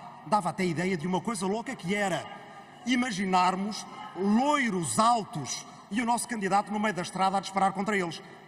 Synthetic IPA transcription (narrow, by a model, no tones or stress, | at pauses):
d̪avat̪ɛiðɛjɐðumɐkojzɐlˠokɐkɨɛɾɐ | imɐʒinaɾmuʃlˠojɾuzalˠt̪uʃ | iunɔsu̥kɐ̃nd̪iðat̪unumɐjuðɐʃt̪ɾaðad̪ɨʃpɐɾaɾkõnt̪ɾɐelˠʃ